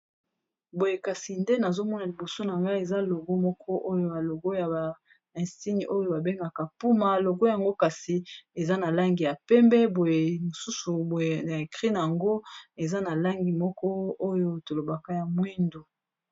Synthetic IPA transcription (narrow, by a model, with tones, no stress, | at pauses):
bo˨je˨ka˨si˨nde˦na˨zo˦mɔ˦na˨li˨bo˨so˦na˨ŋɡa˦e˨za˦lo˨ɡo˦mɔ˦kʰɔ˦ʔo˦jo˦ba˨lo˨ɡo˦ja˨ba˨ | ɛ̃˨si˦ni˨ʔo˦jo˦ba˨be˦ŋɡa˨ka˨pu˦ma˨lo˨ɡo˦ja˨ŋɡo˦ka˨si˨e˨za˦na˨la˦ŋɡi˨ja˨pɛ˦mbɛ˦bo˨je˨mo˨su˦su˨bo˨a˨e˨kʁi˦na˨ja˨ŋɡo˦e˨za˦na˨la˦ŋɡi˨mɔ˦kɔ˦o˦jo˦to˨lo˨ba˨ka˦ja˨mwi˦ndo˨